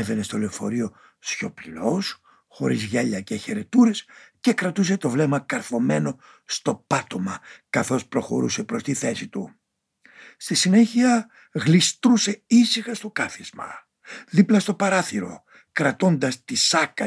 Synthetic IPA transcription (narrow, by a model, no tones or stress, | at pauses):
eve̞ne̞st̪o̞leofo̞̰ɾio̞ | sço̞plilos | xo̞̰ɾizʝɐʎɐceçe̞ɾe̞t̪uɾe̞sce̞kɾɐt̪us̬e̞t̪o̞vle̞mɐkɐɾθo̞me̞no̞ | st̪o̞pɐt̪o̞mɐkɐθo̞spɾo̞xo̞̰ɾṵse̞pɾo̞st̪iθe̞sit̪ṵ | st̪isine̞çiɐ | ɣlist̪ɾuse̞isixɐst̪o̞kɐθizmɐ̰ | ðiplɐst̪o̞pɐɾɐθiɾo̞̰ | kɾɐt̪o̞nd̪ɐst̪isɐkɐ